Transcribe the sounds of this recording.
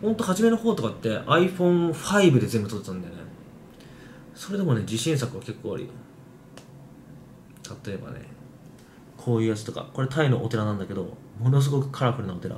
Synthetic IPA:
hõ̞nt̪o̞haʑime̞no̞ho̞ːt̪o̞kat̪ːe̞ʔaiɸõ̞ɰ̃ɸaibɯ̟d̪e̞zẽ̞mbɯt̪oet̪ãnd̪ajone | so̞ɾe̞d̪e̞mo̞ne̞d͡ʑiɕĩɰ̃s̬akɯ̟βake̞kːoːa̰ɾɯ̰jo | t̪ʰat̪o̞e̞ba̰ne̞̰ | kʰo̞ːjɯ̟ːjat͡sɨ̥t̪o̞ka̰ko̞ɾe̞t̪ʰaino̞̰ʔo̰t̪e̞ɾanãnd̪ake̞d̪o̞ | mo̞no̞s̬ɨɡo̞kɯ̟̥kʰaɾakɯ̟ɾɯnoot̪e̞ɾa̰

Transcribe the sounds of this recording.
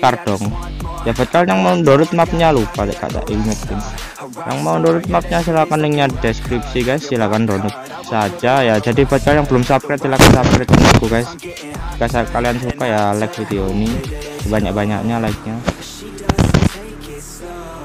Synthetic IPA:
kard̥ɔŋjafat̪̚kalɲjaŋmaundoɾʊt̪̚map̚ɲalupadka̰ʔt̪a̰ʔilmɛt̪̚ɪn | ja̰ŋmaundoɾʊt̪̚map̚ɲasilakanliŋɲadeskɾip̚siɡajsːilakandɔnʊt̪̚ | sad͡ʒajad͡ʒadipat̪̚kaljaŋbəlʊmsap̚kɾɪt̪silakansap̚kɾɛt̪̚anakuɡajs | kasakaliansukajalɛk̚fit̪ionisəbaɲa̰k̚baɲa̰k̚ɲalaik̚ɲa

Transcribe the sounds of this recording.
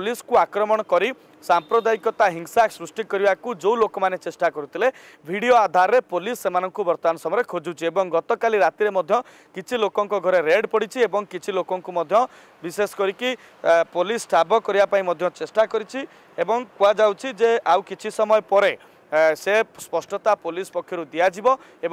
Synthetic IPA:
pliskuakɾɔmɔɽ̃ɔkɔɾi | sampɾɔd̪aikɔt̪aɦiŋsaksɾusʈikɔɾibakud͡ʒowlokɔmanet͡ʃesʈakɔɾut̪ʰile | bʱiɽijoad̪ʱaɾɔɾepolisːemanɔŋkubɔɾt̪ɔanɔsɔmɔɾekʰod͡ʒut͡ʃʰiebɔŋɡɔt̪ɔkaliɾat̪iɾemɔd̪ʱjɔ | kit͡ʃʰilokɔŋkɔɡʱɔɾeɾeɖpɔɽit͡ʃʰiebɔŋkit͡ʃʰilokɔŋkumɔd̪ʱjɔ | bisesɔ̥kɔɾiki | polisʈʰabɔkɔɾibapaĩmɔd̪ʱjɔ̃t͡ʃesʈakɔɾit͡ʃʰi | ebɔŋkuad͡ʒawt͡ʃʰid͡ʒeawkit͡ʃʰisɔmɔjpɔɾe | sespɔsʈɔt̪apolispɔkʰːjɔɾud̪ijad͡ʒibɔ | ebɔ

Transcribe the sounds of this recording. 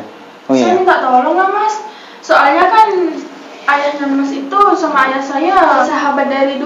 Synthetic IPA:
saniŋɡaʔt̪olɔŋlahmas | soalɲakan | ʔajaɡanmasit̪usɔŋajasajasaɦabat̪̚daɾidu

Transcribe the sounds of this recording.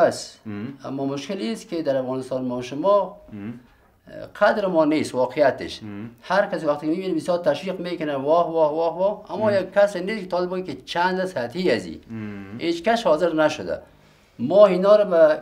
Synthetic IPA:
asa̰mːɔmʊʃkɪlisked̪aɾafɣɔːnɪst̪ɔːnmaʃʊmɔ | qʰad̪ɾɪmɔneswɔqʰijat̪ɪ̰ʃhaɾkaswaxt̪ekɪmibinabɪsjɔɾt̪aʃwiqmekʊnawɔhwɔwɔhwɔamːɔjaɡkːaseneskɪt̪ɔlɪbuɡiket͡ʃand̪ashat̪hiazḭhet͡ʃkaʃhɔzɪɾnaʃʊd̪a̰ | mɔinɔɾaba

